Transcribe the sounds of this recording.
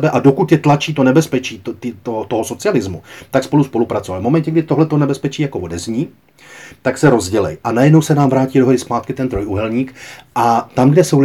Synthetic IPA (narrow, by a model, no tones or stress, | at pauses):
bɛʔado̞kut̪jɛt̪lat͡ʃiːt̪o̞nɛbɛspɛt͡ʃiːt̪t̪ot̪o̞ɦo̞so̞t͡sɪalɪzmut̪akspoluspo̞lupɾat͡sovalvmomɛncɛɡdɪt̪o̞ɦlɛt̪onɛbɛspɛt͡ʃiːjakovo̞dɛzɲiː | t̪aksɛɾo̞zɟɛlɛ̰jʔanajɛdno̞wsɛnaːmvɾaːciːdo̞ɦoɾɪspaːt̪̚kɪt̪ɛnt̪ɾo̞juɦɛlɲiːkʔat̪amɡdɛsow